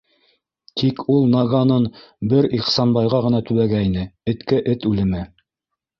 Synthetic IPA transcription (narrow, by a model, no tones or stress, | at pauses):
t̪ʰikʰulˠnɑɡɑnɤnbɘɾiqsɑnbɑjʁɑʁɤ̆nɑt̪ʉβæɡæinɘɘ̆t̪kɘʔɘt̪ʉlɘ̆mɘ